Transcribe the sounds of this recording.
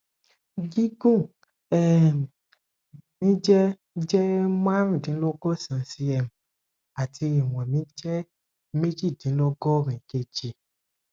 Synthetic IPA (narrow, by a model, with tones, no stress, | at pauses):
ɡi˦ɡũ˦˨ | ɛ˦˨ | mĩ˦d͡ʒɛ˦ | d͡ʒɛ˦mã˦ɾĩ˦˨dĩ˨˦lɔ˦ɡɔ˦˨sã˨˦si˧ɛ˧m̩˨ | a˨tʰi˧i˨w̃ɛ̃˨mĩ˦d͡ʒɛ˦ | me˦d͡ʒi˦˨dĩ˨˦lɔ˦ɡɔ˦˨ɾĩ˨ke˧˨d͡ʒi˨